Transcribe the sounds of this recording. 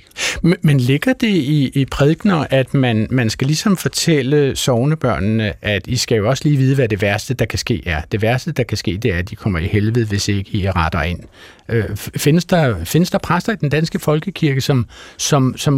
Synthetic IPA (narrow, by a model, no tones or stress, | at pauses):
menle̝ɡ̥ɐd̥e̝iipʰʁɛðˠɡ̥nɐʔæd̥mænmænsɡ̥ælisɒ̽mfɒ̽t͡sʰel̰əsɒʊnəb̥ɶɐ̰nːəʔæd̥isɡ̥æjo̝ɒ̽sə̥liːʋiːð̞ˠʋæd̥e̝ʋæɐsd̥əd̥ɑ̈kʰæsɡ̥e̝̰ːæɐd̥e̝ʋæɐsd̥əd̥ɑ̈kʰæsɡ̥e̝̰ːd̥e̝æɐd̥ikʰɒ̽m̰ɐihelʋð̞̩ˠʋe̝se̝ɡ̥əiʁɑd̥ɐe̝n̰ | øfe̝nəsd̥ɑ̈fe̝nəsd̥ɑ̈pʰʁasd̥ɐid̥end̥ænsɡ̥əfɒ̽lɡ̥əkʰiɐɡ̥əsɒ̽msɒ̽msɒ̽m